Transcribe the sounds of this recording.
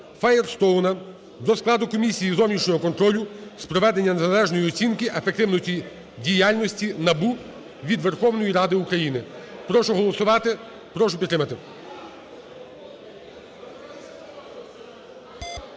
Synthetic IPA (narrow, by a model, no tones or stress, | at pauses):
fajerst̪ɔwnɐ | d̪ɔsklˠɑd̪ʊkɔmʲisʲijizɔwnʲit͡ʃnʲɔɦɔkɔnt̪ɾɔlʲʊspɾɔʋɛd̪enʲːɐneɐlˠɛʒnɔjiɔt͡sʲinkɪʔefekt̪ɪwnɔsʲtʲi | dʲijalʲnɔsʲtʲinɐbu | ʋʲid̪ʋe̞rxɔwnɔjiɾɑd̪ɪukɾɐjinɪpɾɔʃʊɦɔlˠɔsʊʋɑt̪ɪ | pɾɔʃʊpʲt̪ːɾɪmɐt̪ɪ